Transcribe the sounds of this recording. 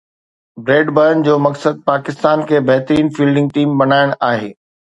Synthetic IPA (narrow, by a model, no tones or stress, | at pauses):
bɾeːɖbəɾən̆d͡ʑoːmɐksəd̪̚paːkɪst̪aːnkʰeːbɐɦt̪əɾiːnfiːlɖɪ̃ŋɡ̚ʈiːmbɐnaːɪɽ̃aːɦeː